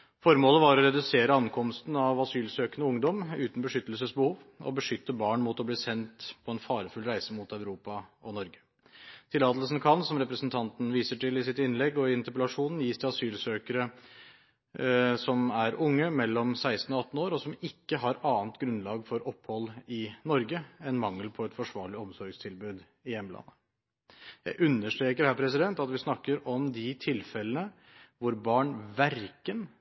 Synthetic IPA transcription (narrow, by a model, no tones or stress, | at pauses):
fɔɾmoːləʋɑɾɔɾɛd̪ʉseːɾəɑnkʰɔmst̪n̩ɑʋɑsyːlsøːkənəʊŋd̪ɔmʉːt̪n̩bəʂʏt̪ːəlsəsbəhuːʋɔ̰bəʂʏt̪ːəbɑːɳmut̪ɔbliːsɛnt̪pʰɔɛnfɑːɾəfʉlɾæɪsəmʊt̪æʉɾuːpɑʔɔnɔɾɡə̥ | t̪ʰɪlːɑːt̪lsnkʰɑnsɔmɾɛpɾəsn̩t̪ʰɑnt̪n̩ʋiːsəʈɪlɪsɪt̪ɪnlɛɡːɔɪɪnt̪əɾp̬əlɑʂuːnn̩jiːst̪ʰɛɑsyːlsøːkəɾə | sɔmæɾʊŋːəmɛlːɔmsæɪst̪n̩ɔɑt̪ːn̩oːɾɔsɔmɪkːəɦɑɾɑːnt̪ɡɾʉnlɑːɡfɔɾʔɔpːhɔlːɪnɔɾɡəɛnmɑŋːəlpʰɔɛt̪fɔʂʋɑːɭɪɔmsɔɾɡst̪ʰɪlbʉːd̪ | ɪjɛmlʔɑ̰nːə | jæ̰ɪʔʉnːəʂʈ̪ɾeːkəɾhæːɾpʰɾɛs̬ɪd̪ɛnt̪ɑt̪ʋɪsnɑkːəɾʔɔmd̪ɪt̪ʰɪlfɛlənə | ʋʊɾbɑːɳʋæɾkən